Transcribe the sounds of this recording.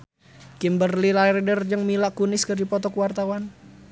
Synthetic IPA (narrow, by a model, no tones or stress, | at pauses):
kimbərlilairdərd͡ʒəŋmilaʔkunɪskərdipɔt̪ɔkwart̪awan